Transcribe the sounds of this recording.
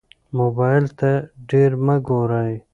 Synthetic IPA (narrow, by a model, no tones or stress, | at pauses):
moːbaːjlt̪ɐɖeːɾmɐɡoːɾaːj